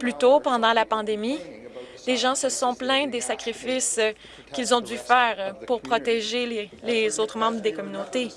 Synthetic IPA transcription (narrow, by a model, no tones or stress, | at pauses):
plyt̪opɑ̃d̪ɑ̃lapɑ̃d̪emi | leʒɑ̃səsɔ̃plɛ̃d̪esakʁifɪs | kʲilzɔ̃d̪yfɛːʁpuʁpχɔt̪eʒelelezot̪χəmɑ̃bʁd̪ekɔmynot̪e